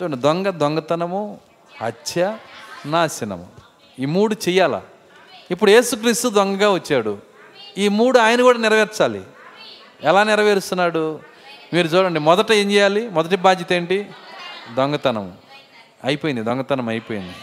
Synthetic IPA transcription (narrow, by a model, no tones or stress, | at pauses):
t͡ʃuːɳd̪oɔŋɡɐd̪ɔŋɡɐt̪ɐnɐmu | hɐtːʰjɐnaːsinɐ̰mṵ | iːmuːɽut͡ʃɛjaːla̰ː | ipːuɽuje̞ːsuk̬ɾiːst̪ud̪ɔŋɡɐɡaːʋɐt͡ʃːaːɽu | iːmuːɽuaːjɐnɐɡuːɽaːnɪɾɐʋeːɾt͡ʃaːlḭ | ɛlaːnɪɾɐʋeːɾust̪unːaːɽu | miːɾut͡ʃuːɽɐɳɖemɔd̪ɐʈɐe̞ːɲd͡ʒɛːjaːlimɔd̪ɐʈibaːd̪ʱjɐt̪eːɳʈi | d̪ɔŋɡɐt̪ɐnɐ̰mṵ | ɐjpoːjindid̪ɔŋɡɐt̪ɐnɐmɐjpoːjḭnd̪i